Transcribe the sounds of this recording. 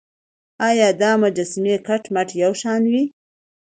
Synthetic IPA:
ɑjɑd̪ɑmʊd͡ʒasmekaʈmaʈjawʃɑnwi

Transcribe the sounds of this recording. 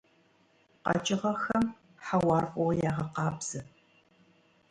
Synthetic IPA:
qɑ̰t͡ʃʼɪʁɐxɐm | ħawɑːrqʷʼɔʁjaːʁɐqɑːbz̥ɨ

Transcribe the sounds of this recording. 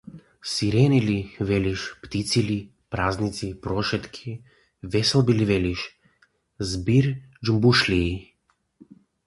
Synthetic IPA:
siɾɛnilivɛlʲiʃpt̪it̪sili | pɾaznit̪sipɾɔʃɛt̪kʰi | vɛsɛlˠbilivɛliʃ | zbiɾd͡ʒəmbuʃlʲiː

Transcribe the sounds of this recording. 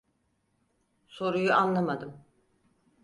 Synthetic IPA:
so̞ɾujuʔanlˠamad̪ɯm

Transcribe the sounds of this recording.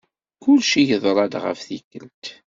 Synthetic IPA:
kʊlʃijəðˤɾˤɑd̪ʁə̰fθikːəlt̪

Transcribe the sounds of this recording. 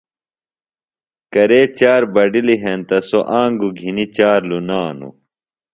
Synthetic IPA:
kɐɾeːt͡ɕaːɾbɐɖiliɦent̪ɐsoʔaːŋɡuɡʱinit͡ɕaːɾlunaːnṵ

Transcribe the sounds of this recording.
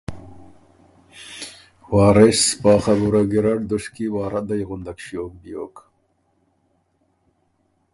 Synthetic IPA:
wɑːɾɪspaːχabuɾaɡiɾaɽd̪ʊʂkiwɑːɾad̪ajɣʊnd̪akʃijoːk̚bijo̰ːk

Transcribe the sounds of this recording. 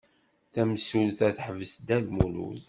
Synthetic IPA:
θæmsulθæθħəvəsd̪ælmulṵl

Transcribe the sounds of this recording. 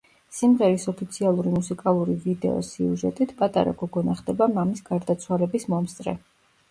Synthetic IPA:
simʁɛɾisɔpʰit̪sʰialˠuɾimusikʼalˠuɾivid̪ɛ̰ɔ̰siuʒɛ̰t̪ʼit̪ʰpʼat̪ʼa̰ɾa̰ɡɔɡɔnaχd̪ɛbamamisɡ̥aɾd̪at̪sʰwalɛbismɔmst̪ʼɾɛ̰

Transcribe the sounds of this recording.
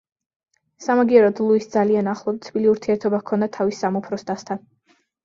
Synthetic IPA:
samaɡiɛɾɔd̪lˠuisd̪zalianaχlˠɔd̪t̪sʰbiliuɾt̪ʰiɛɾt̪ʰɔbakʰɔnd̪at̪ʰavisːamupʰɾɔst̪ʰʼast̪ʰan

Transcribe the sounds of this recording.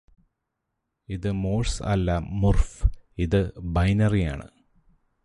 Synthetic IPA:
iðɨmoːlsɐ̰lːɐmurfiðɨbɐjnɐrija̰ːɳɨ̰

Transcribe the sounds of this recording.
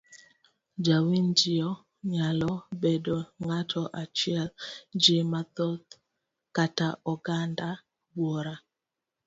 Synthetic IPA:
d͡ʒawind͡ʒɪjɔ | ɲalɔbedoŋatʰɔʔat͡ʃjɛld͡ʒɪmat̪ɔt̪ | kataʔɔɡanda | bwɔɾa

